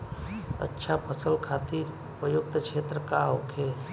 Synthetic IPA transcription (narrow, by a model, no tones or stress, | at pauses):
ə̰tːʃʰapʰəsəlkʰat̪iɾ | upəjuk̚t̪kʰet̪ɾəkaɦokʰe